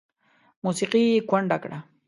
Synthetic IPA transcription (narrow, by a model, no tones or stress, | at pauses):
mʊsɪqijkwaɳɖakɾa